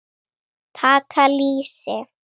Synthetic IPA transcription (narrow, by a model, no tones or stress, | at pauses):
t̪ʰakʰaliːsɛ